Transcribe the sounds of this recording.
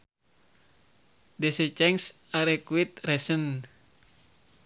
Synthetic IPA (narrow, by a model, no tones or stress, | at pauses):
dɛsɛt͡ʃɛŋs | aɾɛkuit̪̚rɛsən